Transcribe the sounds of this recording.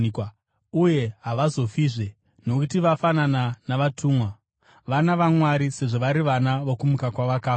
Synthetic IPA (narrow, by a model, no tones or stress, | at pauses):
uje̞ɦaʋazo̞fiːʐe̞ | no̞kutiʋafanananaʋatʰuːmwa | ʋanaʋamwaɾise̞ʐo̞ʋaɾiʋanaʋokumukakwaʋakaːf